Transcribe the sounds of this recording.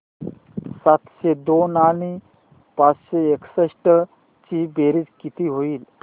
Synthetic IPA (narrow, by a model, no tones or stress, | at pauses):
sat̪ɕed̪onani | pat͡sɕeːksəɕʈə | t͡ɕibeɾid͡zkit̪iɦoiːl